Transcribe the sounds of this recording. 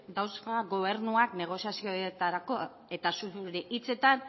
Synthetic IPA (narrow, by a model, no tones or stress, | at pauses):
d̪awskaɣo̞β̞e̞ɾnuakne̞ɣ̞o̞sjasioet̪aɾako̞ | e̞t̪asuuɾeʔit͡se̞t̪an